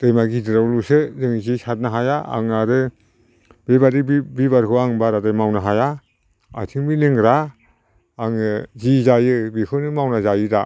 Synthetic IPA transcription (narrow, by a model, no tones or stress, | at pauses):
d̥ajmaɡidɯɾawlusɯzɯŋzisʰat̚naɦajaa̰ŋnaɾɯ | bebaɾibibaɾkʰɯaŋbaɾadajmawnaɦaja | a̰tʰiŋbilɯŋɾaː | ŋɯzizajɯbikʰɯnɯmawnazajɯda